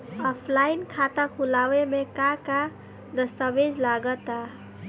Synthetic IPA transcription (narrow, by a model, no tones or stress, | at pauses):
ɔpʰlainkʰat̪akʰulawemekaka | d̪əst̪abed͡ʒlaɡət̪a